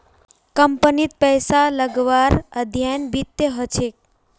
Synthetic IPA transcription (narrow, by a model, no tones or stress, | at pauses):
kəmpənit̪̚pəjsaləɡʋaɾəd̪ʱjajnbit̪jəɦət͡ʃʰek̚